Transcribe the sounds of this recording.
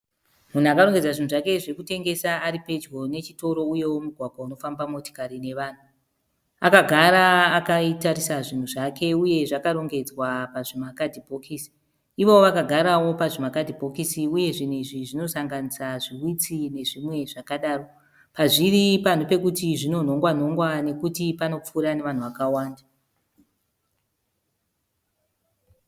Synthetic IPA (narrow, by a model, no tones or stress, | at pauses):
mun̤uakaro̞ŋɡe̞d͡zaʐin̤uʐake̞ʐe̞kute̞ŋɡe̞saːɾipe̞d͡ʒwo̞ne̞t͡ʃito̞ɾo̞uje̞womuɡʱwaɡʱwauno̞fambamoti̥kaɾine̞ʋaːn̤u | akaɡʱaɾaːkaitaɾisaʐin̤uʐake̞uje̞ʐakaɾo̞ŋɡe̞d͡zwapaʐimakadʱibʱo̞kʰisi̥ | iʋo̞ʋakaɡʱaɾawo̞paʐimakadʱibʱo̞kisiuje̞ʐin̤iʐiʐino̞saŋɡanisaʐiwit͡sine̞ʐimwe̞ʐakaɗaːro̞ | paʐiripan̤upe̞kutiʐino̞n̤o̞ŋɡwan̤o̞ŋɡwane̞kutipano̞p͡fuːɾane̞ʋan̤uʋakawaːnda